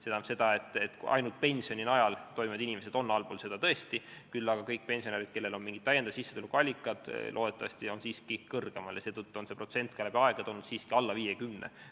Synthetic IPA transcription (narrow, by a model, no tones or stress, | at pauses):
sed̪ɑse̞d̪̥ɑe̞t̪ːˑet̪ɑ̰jnult̪̚pe̞nʲsio̞ninɑjɑlt̪o̞jmivɑd̪inime̞se̞d̪o̞nːɑlpoːlse̞d̪̥ɑt̪ɤe̞st̪ikylːɑɡ̥ɑkɤjk̚ːˑpe̞nʲsioneɾid̪̚ke̞lːe̞lo̞nmiŋɡit̪ːæjend̪ɑsisːe̥elukɑlʲːikːˑɑd̪̥lʔo̞ːd̪et̪ːˑɑvɑ̰st̪io̞nsiːskikɤrɡ̥e̞mɑljɑse̞ːt̪ət̪ːuo̞nse̞pro̞t̪se̞nt̪̚ˑkɑlæbiɑeɡ̥ɑt̪o̞lnud̪̥siːskiɑlːɑviːjekymnḛ